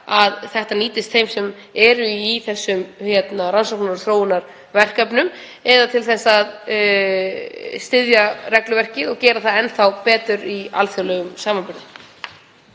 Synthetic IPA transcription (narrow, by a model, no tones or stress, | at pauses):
aðθɛht̪aniːt̪ɪst̪θejmsɛm | ɛɾʏiθɛsːʏmhjɛt̪naɾansawknaɾ̥θɾoːwɪnaɾ̥ | vɛr̥kapnʏm | ɛðat̪ʰɪlθɛsːaað | st̪ɪðjarɛklʏvɛr̥cɪðɔɣcɛːɾaθaðɛnθawpɛːt̪ʏɾia̰lθjawlɛɣʏmsaːmanpɪɾðɪ